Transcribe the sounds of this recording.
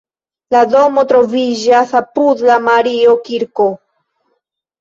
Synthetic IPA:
lado̞mo̞tɾo̞vid͡ʒasapudlamaɾiokiɾko̞

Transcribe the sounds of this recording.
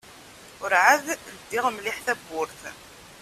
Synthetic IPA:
ʊɾʕaðəd̪ːɪʁmlɪħθæbːʊɾθ

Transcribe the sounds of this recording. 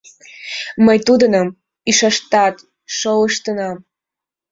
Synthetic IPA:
məjt̪ud̪ənəm | iʃɑʃt̪ɑt̪ | ʃoləʃt̪ənɑm

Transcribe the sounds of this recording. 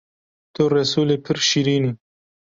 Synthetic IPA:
t̪oɾɐsulepʰɪɾʃiɾini

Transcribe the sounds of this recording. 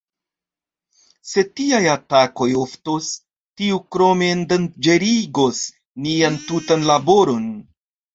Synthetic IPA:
se̞tiajatako̞jo̞ftos | tiukɾo̞mendand͡ʒe̞ɾiɡo̞s | niantutanlabo̞ɾo̞n

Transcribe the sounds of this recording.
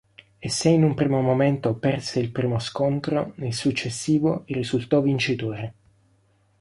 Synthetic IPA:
esːeinumpɾiːmomoment̪opɛrseilpɾiːmoskont̪ɾo̰nelsut͡ʃːesːiːvoirːizult̪ɔvint͡ʃit̪oːɾe

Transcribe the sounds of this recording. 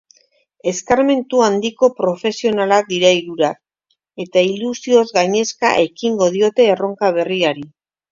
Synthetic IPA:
e̞skaɾme̞nt̪uand̪iko̞pɾo̞fe̞sio̞nalak̚d̪iɾaiɾuɾak | e̞t̪ailusio̞zɣajɲe̞ska̰ʔe̞kiŋɡo̞ð̞io̞t̪e̞ːro̞ŋkaβ̞e̞riaɾi

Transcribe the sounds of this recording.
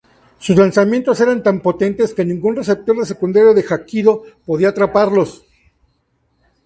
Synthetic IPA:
suslansamje̞nt̪o̞se̞ɾant̪ampo̞t̪e̞nt̪e̞ske̞nĩŋɡunre̞s̬e̞p̚t̪o̞ɾðe̞se̞kund̪aɾjoðe̞xakiðo̞po̞ðiat̪ɾapaɾlo̞s

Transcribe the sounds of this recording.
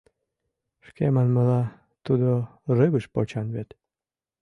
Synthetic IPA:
ʃkemɑnməlɑ | t̪ud̪orɨβəʃpot͡ɕɑnβet̪

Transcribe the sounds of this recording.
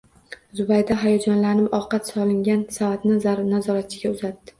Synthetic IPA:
zʊbajd̪aɦajɒd͡ʒɒnlanɪpɒqɑt̪sɒlɪŋɡʲansavat̪nɪzanazɒɾat̪̚t͡ʃʰɪɡʲaʊzat̪ːɪ̥

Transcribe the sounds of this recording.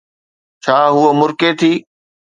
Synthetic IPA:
t͡ɕʰaːɦuəmʊɾket̪ʰiː

